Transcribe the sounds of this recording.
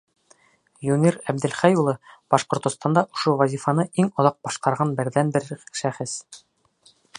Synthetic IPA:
junʲiɾæb̚d̪ɘ̆lχæjulˠɤb̥ɑʃqŏɾt̪ŏst̪ɑnd̪ɑʔŏʃowɐzʲifɑnɤiŋŏðɑq̚b̥ɒʃqɑɾʁɑnbɘ̆ɾðænbɘɾʃæχɘs

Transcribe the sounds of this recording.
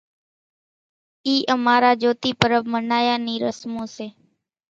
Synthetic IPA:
iːʔəmaːɾaːd͡ʒoːt̪iːpəɾəʋmənaːjaːniːɾə̰smõːseː

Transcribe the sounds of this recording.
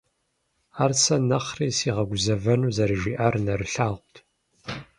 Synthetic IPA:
aːrsɐnɐχriːsiːʁɐɡʷʊzɐvɐnuːzɐɾɨʒiʔaːrnɐɾɨɬaːʁʷtʰ

